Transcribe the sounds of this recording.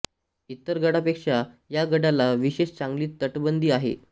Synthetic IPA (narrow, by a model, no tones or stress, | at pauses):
it̪ːəɾɡəɽapekʂa | jaɡəɽalaʋiɕeɕt͡saŋɡliːt̪ːəʈbənd̪iːaɦḛ